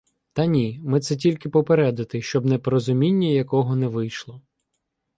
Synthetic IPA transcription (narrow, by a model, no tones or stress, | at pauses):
t̪ɐnʲimɪt̪sɛtʲilʲkɪpɔpeɾɛd̪ɐt̪ɪʃt͡ʃɔbnɛpɔɾɔzʊmʲinʲːɐjɐkɔɦɔnɛʋɪjʃlˠɔ